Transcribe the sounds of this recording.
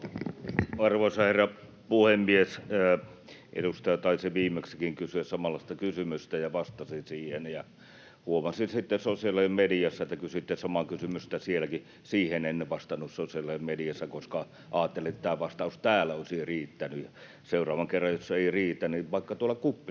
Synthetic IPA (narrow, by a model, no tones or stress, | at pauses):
ɑrʋosɑherːɑ | puhemːies | ʔḛdust̪ɑjɑt̪ɑˑisiʋiːmːeksækiŋkysyæssɑmɑlːˑɑˑst̪ɑkysymyst̪æjɑʋɑst̪ɑsinsiːhenjɑ | huomɑsinsit̪ːesosiɑlːɑmmedijɑsːæet̪ːækysyit̪ːesɑmɑkysymyst̪æsielæki | siːhenenːeʋʋɑst̪ɑnːussosiɑlːɑemmedijæsːækoskɑ | ʔɑːt̪ːelet̪ːæt̪æːʋɑst̪ɑˑust̪æːlːæoˑisiriːt̪ːænyjjɑ | seurɑːʋɑŋkerːɑjjosːeiriːt̪ːænniʋɑˑikːɑt̪uolːɑkupːi